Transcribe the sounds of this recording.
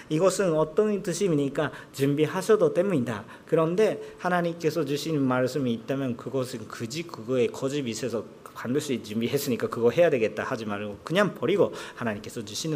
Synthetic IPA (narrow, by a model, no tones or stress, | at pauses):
iɡʌsʰɯnʌt͈ʌntɯɕʰimiɲik͈at͡ɕumbiɦaɕʰʌdot͈e̞muɲinda | kɯɾʌnde̞hanaɲimk͈e̞sʰʌt͡ɕuɕʰinnmaɭs͈ɯmiːt̚t͈amjʌnkɯɡʌsʰɯnkɯd͡ʑikɯɡʌe̞kʌd͡ʑibisʰesʰʌ | pandɯɭs͈uit͡ɕumbiɦe̞s͈ɯɲik͈akɯɡʌɦe̞jade̞ɡe̞t̚t͈ahad͡ʑimaɭɡokɯɲaŋpʌɾiɡohanaɲimk͈e̞sʰʌt͡ɕuɕʰinɯ